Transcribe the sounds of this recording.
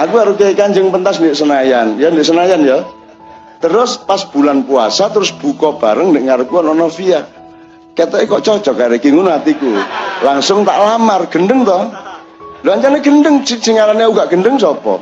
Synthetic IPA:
ʔakuɦaɾukekand͡ʒəŋpənt̪asndeʔsənajanjɔndɪʔsənajanjɔ | t̪əɾʊspasb̥ṳlanpua̰sat̪əɾʊsb̥ukɔb̥aɾəŋndeʔŋaɾəkuanɔnɔfia | ket̪ɔʔikɔʔt͡ʃɔt͡ʃɔɡaɾekiŋunat̪ikulaŋsʊŋt̪a̰ʔlamarɡ̥ə̤nɖəŋt̪ɔh | doaɲt͡ʃanɛɡ̥ə̤ndəŋsisiŋaɾanauɡaʔɡ̥ə̤nɖəŋsɔpɔ̰

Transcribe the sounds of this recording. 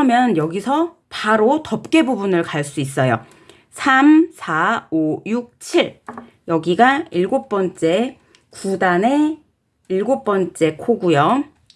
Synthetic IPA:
kɯʌmjʌnjʌɡisʰʌ | paɾotʌp̚k͈e̞bubunɯɭkaɭs͈uis͈ʌjo | sʰamsʰaojuk̚t͡ɕʰiɭ | jʌɡiɡaiɭɡop͈ʌnt͡ɕ͈e̞ | kudane̞ | iɭɡop͈ʌnt͡ɕ͈e̞kʰoɡujʌ

